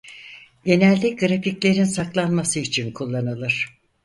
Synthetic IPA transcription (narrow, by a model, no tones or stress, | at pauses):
ɟe̞nɛlʲd̪ʲiɡɯɾaficlʲe̞ɾinsaklˠanmasɯit͡ʃʰinkʰulˠːanɯlˠɯɾ̝̥